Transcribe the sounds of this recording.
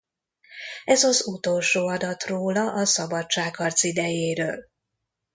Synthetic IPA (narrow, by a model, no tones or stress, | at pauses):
ɛzɒzut̪oːlʃoːɒd̪ɒt̪roːlɒʔɒsɒbɒt͡ʃt͡ʃaːkhɒrt̪sid̪ɛjeːɾø̰ːl